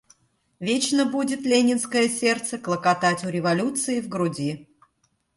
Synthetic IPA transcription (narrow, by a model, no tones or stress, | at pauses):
vʲet͡ɕnəbudʲɪt̪lʲenʲɪnskəjəsʲe̞rt̪səklˠəkɐt̪atʲʊɾʲɪvɐlʲut̪sɨɪvɡɾʊdʲi